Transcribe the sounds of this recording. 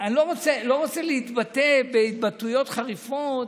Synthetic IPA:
anilo̞ʁot͡selo̞ʁot͡seleit̪batebeit̪batujo̞t̪χaʁifot̪

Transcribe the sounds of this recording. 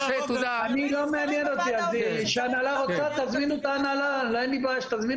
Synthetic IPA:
anilo̞meanjeno̞t̪iaz | ʃeanalaʁot͡sat̪azminut̪aːnala | loanibaaʃt̪azmin

